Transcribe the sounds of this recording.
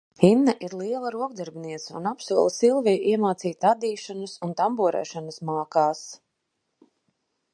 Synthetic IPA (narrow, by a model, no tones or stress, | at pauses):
hinːɐʔiɾlˠiɛlˠɐɾuɔɡ̚d̪ɛɾbʲniɛt̪sɐṵnapsuɔlˠsilˠvijʔiɛmaːt̪siːt̪ad̪iːʃanusunt̪ambuɔɾɛ̰ːʃanɐsmaːkaːs